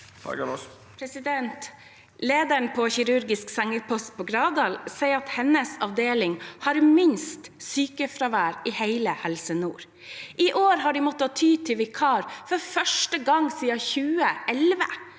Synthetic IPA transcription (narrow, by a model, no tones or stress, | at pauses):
pʰɾɛsɪd̪ɛnt̪ | leːd̪æɳpʰɔçɪɾʉɾɡɪsksɛŋəɾpʰɔst̪̚pʰoɡɾɑːʋd̪ɑːlsɛɪɾɑt̪hɛnːəsɑʋd̪eːlɪŋhɑɾmɪnst̪syːkəfɾɑʋæːɾɪhæɪləhɛlsənṵːɾ | ʔɪʔoːɾɦɑɖimɔt̪ːəɑt̪ʰyːt̪ʰɪlʋɪkʰɑːɾfɔɾfœʂʈəɡɑŋsiːɑçʉːəʔɛlʋə̰